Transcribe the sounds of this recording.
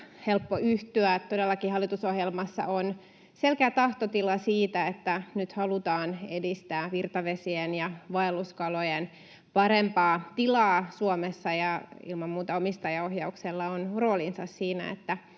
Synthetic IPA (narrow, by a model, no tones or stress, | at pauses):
helpːoʔyht̪yæt̪odelːɑkihɑlːit̪usohjelmɑsːɑ̰ʔon | selkeæt̪ɑht̪ot̪ilɑsiːt̪æet̪ːænyt̪hɑlut̪ɑːnedist̪æːʋirt̪ɑʋesienjɑʋɑelːuskɑlojen | pɑɾempɑːt̪ilɑːsuomesːɑjɑḭlmɑmmuːt̪ɑomist̪ɑjɑohjɑukselːɑonro̞ːlinsɑssiːnæ̰ḛt̪ːæ